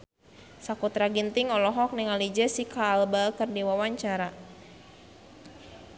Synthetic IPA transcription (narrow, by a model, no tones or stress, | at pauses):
sakut̪ɾaɡint̪ɪŋɔlɔɦɔk̚niŋalid͡ʒɛsikaːlbakɨrdiwawaɲt͡ʃaɾa